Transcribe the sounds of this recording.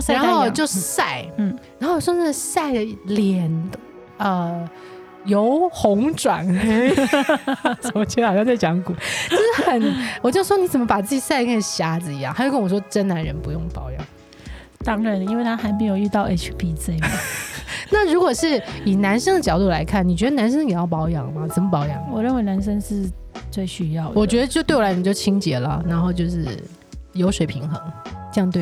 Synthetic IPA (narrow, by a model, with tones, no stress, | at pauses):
ɻa˧˥nxo˥˩ʊ˨˩t͡ɕjo˥˧ʊʂ̩˥˧sa˥˩ɪ˥˩ɻa˧˥nxo˥˩ʊwɔ˨˩wna˥˩ɡə˨sa˥˩ɪd̪ə˩˥ljɛ˨˩n | ə˧ | jo˧˥ʊxʊ˧˥ŋʈ͡ʂwa̰˨˩nxe˥ɪ | ʈ͡ʂo˧˥ʊt͡ɕʰɛ˥xɕjt͡s̬a˥˩ɪt͡ɕjɑ˧˥ŋku˨˦t͡ɕo˥˧ʂɻ̩˥˩xə˨˩nwɔ˨˩t͡ɕjo˥˩ʊʂwɔ˥ni˧˥t͡sə˨˩mə˦pa˨˩t͡sɹ̩˥˩t͡ɕi˨˩sa˥˧ɪkə˥˩nə˨˩ɕja˧˥d͡zɹ̩˨i˧˥jɑ˥˩xjkə˥nwɔ˨˩ʂwɔ˥ʈ͡ʂə˥nna˧˥nɻə˧˥npu˧jʊ˥˩ŋpɑ˨˩ʊjɑ̰˥˩˦ŋ | t̪ɑ˥ŋə˧˩ni˥nwe˥˧ɪt̪ʰa˥xa˧˥ɪmi˨˧˥ŋjo˨˩ʊy˥˧t̪ɑ˥˩ʊʔe˥t͡ʃʰpʰi˥t͡se˥˩ɪma˨˦na˥˩ɻu˧˥kwɔ˨˩ʂɻ̩˥˩i˨˩na˧˥nʂə˥ŋd̪ə˨t͡ɕjɑ˨˩ʊt̪u˥˩la˧˥ɪkʰa˥˩nni˨˩t͡ɕɥɛ˧˥ə˧na˧˥nʂ̬ə˥ŋjɛ˨˩˦jɑ˥˩ʊpɑ˧˥ʊjɑ˨˩ŋmɐ˨t͡sə˨˩mə˦pɑ˧˥ʊjɑ̰˨˩˦ŋwɔ˨˩ɻə˥˩nwe˧˥ɪna˧˥nʂə˥ŋʂɻ̩˥˩ | t͡swe˥˩ɪɕy˧˥jɑ˥˩ʊwɔ˨˩t͡ɕɥɛ˧˥d̪ə˧t͡ɕjo˥˧ʊt̪wɪwt͡ɕo˥˩ʊt͡ɕʰi˥ŋt͡ɕjɛ˧˥lə̰˨na˧˥nxo˥˧ʊt͡ɕjo˥˧ʊʂɻ̩˥˩ | jo˧˥ʊʂwe˨˩ɪpʰi˧˥ŋxɤ˧˥ŋʈ͡ʂə˥˧jɑ˥˧ŋt̪we˥˩